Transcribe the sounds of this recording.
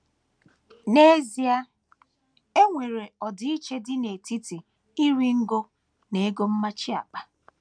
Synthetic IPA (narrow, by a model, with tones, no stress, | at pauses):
ne˦zi˦a˦ | e˦ŋʷe˨ɾe˨ɔ˨dɪ˨i˦t͡ʃe˦dɪ˦ne˨ti˦ti˨ | i˦ɾi˦ŋ̩˦ɡo˦ | ne˨e˦ɡo˦m̩˦ma˦t͡ʃɪ˦a̰˨k͡pa˨